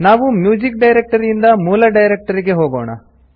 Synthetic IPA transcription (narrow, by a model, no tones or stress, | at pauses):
naːʋumjuːd͡ʒik̚ɖɐjɾek̚ʈɐɾijind̪ɐmuːlɐɖɐjɾek̚ʈɐɾiɡe̞ɦoːɡo̰ːɳɐ̰